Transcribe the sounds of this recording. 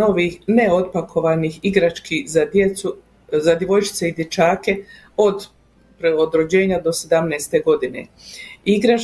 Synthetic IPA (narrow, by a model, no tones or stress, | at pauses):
o̞ʋiːhne̞o̞t̪̚pakʰo̞ʋanixiɡɾat͡ʃkizad̪eu | zad̪jeʋo̞jt͡ʃi̥t̪seid̪je̞t͡ʃaːke̞ | o̞d̪ | pɾeod̪ɾod͡ʑe̞ːɲad̪o̞se̞d̪amnɛːst̪e̞ɡo̞d̪ine̞̰ | iɡɾa